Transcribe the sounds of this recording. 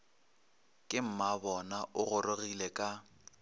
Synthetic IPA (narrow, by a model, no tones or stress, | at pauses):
kʼɪm̩mabɔnaʔʊɣʊrorilekʼa